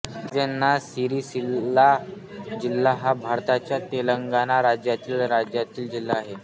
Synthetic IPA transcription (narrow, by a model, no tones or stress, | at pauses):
d͡zanːasiɾiːsila | d͡ʑilːaɦabʱaɾt̪at͡ɕjat̪eləŋɡanaɾad͡ʑjat̪iːlɾad͡ʑjat̪iːld͡ʑilːaːɦe